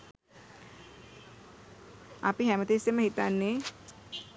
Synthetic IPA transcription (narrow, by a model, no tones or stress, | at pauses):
a̰piɦɛmət̪esemɐɦit̪anːẽ